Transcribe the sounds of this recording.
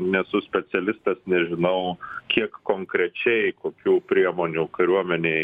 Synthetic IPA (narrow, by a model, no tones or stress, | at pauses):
nʲɛsʊsʲpʲɛsʲɛlʲɪst̪ɐsnʲɛʒʲɪnɐʊkʲiɛkkoːŋkɾʲɛt͡ʃʲɛɪkoːkʲuːpʲɾʲiɛmoːnʲuːkɐɾʲuɔmʲɛnʲeɪ